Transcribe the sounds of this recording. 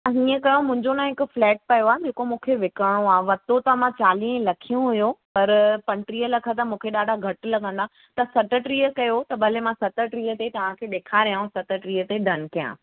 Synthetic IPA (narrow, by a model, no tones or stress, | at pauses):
ɦiːə̃kɐjomʊ̃ɦɪ̃ɲd͡ʑonãɦɪkʊ̆flɛːʈ̚pɐjoaːɦd͡ʑeːkomũːkʰeʋɪkəɽ̃oaːɦʋɐt̪ot̪ɐmãt͡ɕaːliːɦlɐkʰijũɦʊjopɐɾpɐ̃ɳʈɾiːəlɐkʰət̪ɐmũːkʰeɗaːɖʱaɡʱɐʈ̆lɐɠə̃nd̪a | t̪ɐsɐʈəʈɾiːəkɐjot̪ɐbʱɐlemãsɐt̪əʈɾiːət̪et̪ɐʋ̤ãkʰeːɗeːkʰaːɾijãsɐt̪əʈɾiːət̪eɖʱɐn̆kijã̰ː